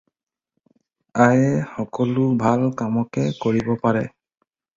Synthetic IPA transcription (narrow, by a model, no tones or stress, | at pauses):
ajɛxɔkɔlʊbʱalkamɔkɛkoɹibɔpaɹɛ